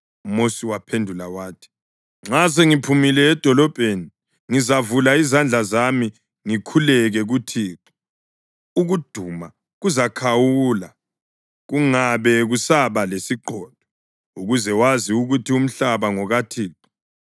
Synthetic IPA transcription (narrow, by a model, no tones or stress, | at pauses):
umosiwapʰendʱulawaːtʰi̥ | ŋ͡ǁaseŋipʰumilɛːd̥ʱɔlɔb̥ʱeni | ŋizavulaizand͡ɮʱazami | ŋikʰulɛɣɛɣutʰiːǁi̥ | uɣud̥ʱuma | ɣuzakʰawula | ɣuŋaβɛɣusaβalesiǃɔːd̥ʱɔ | uɣuzɛwaziuɣutʰium̩ɬaβaŋɔɣatʰiːǁi̥